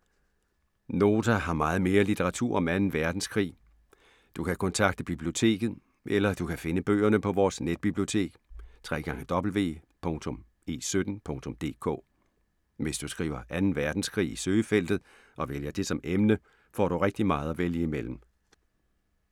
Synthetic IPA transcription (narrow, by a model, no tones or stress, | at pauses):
no̝ːt͡sʰæɦɑ̈mɑ̈ːð̞̩ˠme̝ːɐlit͡sʰeʁɑ̈t͡sʰuɐ̰ɒ̽mænn̩ʋæɐd̥n̩skʰʁḭː | d̥ukʰækʰɒ̽nt͡sʰɑ̈ɡ̥̚d̥əb̥ib̥lio̝t͡sʰe̝̰ːɡ̥ð̞̩ˠ | ʔelɐd̥ukʰæfe̝nəb̥ø̰ːɐnəpʰɒ̽ʋɒːsned̥̚b̥ib̥lio̝t͡sʰe̝̰ːɡ̥t͡sʰʁɛ̰ːɡ̥ɑ̈ŋəd̥ɒ̽b̥l̩ʋe̝̰ːpʰɔ̽ŋt͡sʰɔ̽m | e̝̰ːsød̥n̩pʰɔ̽ŋt͡sʰɔ̽md̥e̝̰ːkʰɔ̰̽ː | ʋe̝sd̥usɡ̥ʁḭːʊɐʔænn̩ʋæɐd̥n̩skʰʁḭːisøːəfel̰d̥ð̩ˠ | ʔɒ̽ʋeljɐd̥e̝sɒ̽mʔemnə | fɒ̰ːɾ̥uʁeɡ̥̚d̥imɑ̈ːð̞̩ˠɒʋeljəimel̰m̩